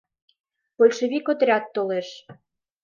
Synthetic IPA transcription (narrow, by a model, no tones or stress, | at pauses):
polʲʃəβikot̪ɾʲɑt̪ːoleʃ